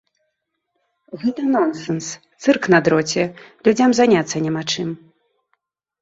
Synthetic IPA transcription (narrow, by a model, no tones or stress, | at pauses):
ɣɛt̪ɐnɔnsɛnst̪sɨrknɐd̪ɾɔt͡sʲɛlʲud͡zʲamzanʲat̪sːɐnʲɛmat͡ʂɨm